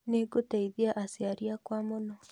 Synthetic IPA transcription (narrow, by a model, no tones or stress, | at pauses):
neɡotaiðiaʔasiaɾiakwamonɔ